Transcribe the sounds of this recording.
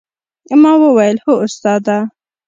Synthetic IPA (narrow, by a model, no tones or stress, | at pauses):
əmɑwəwajəlhoʊst̪ɑd̪a